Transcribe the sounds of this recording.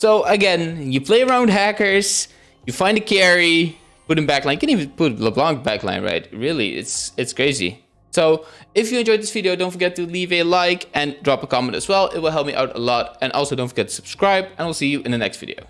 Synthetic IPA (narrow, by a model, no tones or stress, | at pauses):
soʊʔəɡɛ̃njɨpʰl̥eɪə˞ãʊ̃nd̚ɦækə˞z̥ | jɨfãɪ̃ndɨkʰɛɹi | pʊɾɨ̃nbæklãɪ̃nkʰɨ̃nivɨ̃npʰʊɾləblɔ̃ŋbæklã̰ɪ̃nɹa̰ɪt̚ɹɪlˠḭɪ̰tsɨtskʰɹ̥eɪzḭ | soʊɪfjɨɨ̃nd͡ʒɔɪðɪsv̥ɪɾioʊdõʊ̃ntfə˞ɡɛtʰɨlivɨlaɪkɨ̃ndɹɑpəkʰɑm̃ntɨ̰zwɛlˠɪ̰t̚wəlˠɦɛlˠp̚miʔa̰ʊɾə̰lɔtɨ̃nʔɔ̰lˠsoʊõnfə˞ɡɛtʰə̥səb̥skɹaɪbɨ̃naɪlˠsijɨʔɨ̃nðɨnɛ̰kstv̥ɪ̰ɾḭo̰ʊ